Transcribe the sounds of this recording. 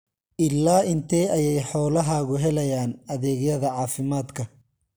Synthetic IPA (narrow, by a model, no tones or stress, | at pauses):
ʔɪlːaːʔɪnt̪ʰɛjɐjɛjħɔːlɐɦɐɣʊɦɛlɐjaːnɐðɛːɣjɐðɐʕɑːfɪmaːd̪kʰɐ